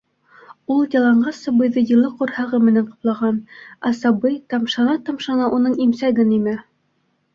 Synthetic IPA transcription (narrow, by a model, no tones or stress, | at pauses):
ulˠjɑlˠɑɴɢɑsɑbɤ̆jðɤjɤ̆lˠɤqŏɾhɑʁɤmɘ̆næɴqŏ̥plˠɑʁɑnæsɑbɤjt̪ɑmʃɑnɑt̪ɑmʃɑnɑʔunɤɴimsæɡɘnimɘ